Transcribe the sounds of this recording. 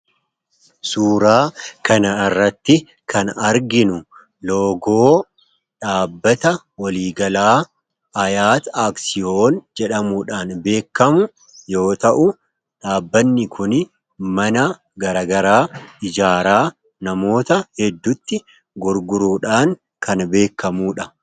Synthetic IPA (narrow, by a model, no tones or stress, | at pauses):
suːɾaːkɐnɐɪrːɐt̪ːɪ | kʰɐnɐɾɡɪnʊ | lo̞ːɡoː | ᶑaːbːɐt̪ɐ | wɐliːɡɐlaː | ɐjaːt̪aːksɪjoːnd͡ʒɛᶑɐmuᶑaːnbe̞ːkːɐmʊ | jo̞ːt̪ɐʔʊ | ᶑaːbːɐnːɪkʰʊn | mɐnɐ | ɡɐɾɐːɡɐɾaːɪd͡ʒaːɾaː | nɐmo̞ːt̪ɐhɛd̪ːʊt̪ːɪ | ɡʊɾɡʊɾuːᶑaːŋ | kʰɐnbe̞ːkːɐmuːᶑɐ